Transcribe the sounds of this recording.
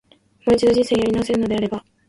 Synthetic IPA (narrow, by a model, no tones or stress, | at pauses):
mo̞ːit͡ɕid̪o̞ʑĩse̞ːijaɾʲinaβaseɾɯ̟no̞d̪e̞aɾe̞ba